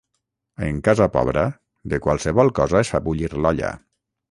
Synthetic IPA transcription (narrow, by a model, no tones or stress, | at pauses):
ḛŋkazapɔ̰βɾə | ðəkwalˠsəβɔlˠkɔzaesfabuʎiɾlɔʎə̰